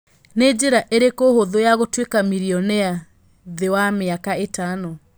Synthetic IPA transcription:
ned͡ʑeɾaʔeɾekohoðojaɣotwekamiɾiɔnɛa | ðewameakaetanɔ

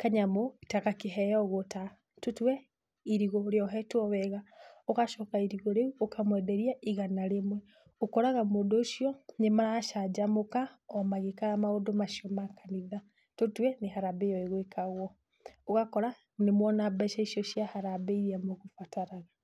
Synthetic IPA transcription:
kaɲamoi̥takakeɦɛjɔɣota | totwɛ | iɾiɣɔɾeɔɦɛtwɔβɛɣaokaʃɔkaiɾiɣoɾeuokamwɛdɛɾiaiɣanaɾemwɛ | okɔɾaɣamoːdoːʃijɔnemaɾaʃad͡ʒamokaɔmaɣekaɾamaodomaʃjɔmakaniða | totwɛneɦaɾabejɔeɣwekaɣwɔ | oɣakɔɾa | nemwɔnabɛʃaiʃjɔʃiahaɾabɛiɾiamoɣofataɾaɣa

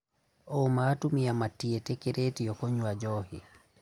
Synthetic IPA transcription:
ɔmatumiamatːiɛtɛkɛɾʔetijɔkɔɲuwad͡ʒɔhi

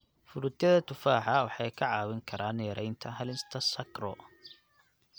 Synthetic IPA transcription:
fʊlʊt̪jɐðɐt̪ʰʊfaːħɑwɑħɑjkʰɐʕɑːwɪŋkʰɐɾaːnːjɐɾʔɛjnt̪ʰɐɦɐlɪst̪ʰɐsɐkɾɔ̰

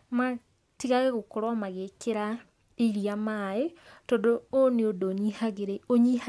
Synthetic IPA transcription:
ma | tiɣaɣeɣokoɾwamaɣekeɾa | iɾijamaetodooneodoɲihaɣeɾeoɲiha

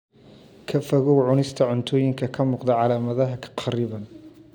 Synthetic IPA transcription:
kʰɐfɐɣɔwʕʊnɪst̪ʰɐʕʊnt̪ʰɔːjɪŋkʰɐkʰɐmuːqd̪ɐʕɑlaːmɐðɐɦɐkʰɐ̥qʰɑɾiːβɐn

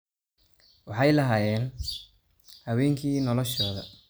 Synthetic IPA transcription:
wɑħɑjlɐɦaːjɛːn | hɐwɛːŋkʰiːnɔlɔʃɔːðɐ̰

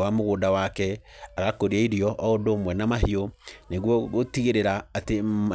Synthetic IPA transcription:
wamoɣoːndawakɛ | aɣakoɾiaiɾiɔʔɔondoːmwɛnamahioneɣwɔɣotiɣeɾeɾaːtea

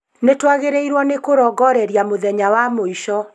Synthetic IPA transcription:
netwaɣeɾeiɾwɔnekoɾɔːɡɔɾɛɾjamoðɛɲawamoiʃɔ

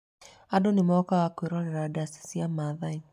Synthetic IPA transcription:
adonimɔkawakweɾɔɾɛɾadasi̥siamaðai

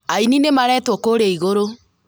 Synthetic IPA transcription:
aininemaɾɛːtwɔkoɾeiɣoɾo

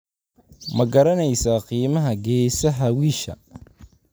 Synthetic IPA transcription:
mɐɡɐɾɐnɛjsaːqiːmɐɦɐɡɛːsɐɦɐwiːʃɐ̰

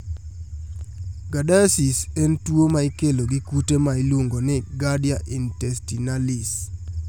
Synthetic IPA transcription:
ɡadasisentwomaikeloɡikutemailwoŋɡonɛɡadjaʔintɛstinalɪs

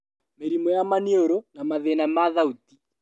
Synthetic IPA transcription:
meɾimɔjamanioɾonamaðenamaðaut̪i

